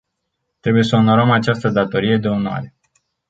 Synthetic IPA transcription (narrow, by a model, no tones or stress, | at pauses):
t̪ɾe̞buje̞səono̞ɾəmat͡ʃast̪əd̪at̪o̞ɾije̞d̪e̞onoa̰ɾe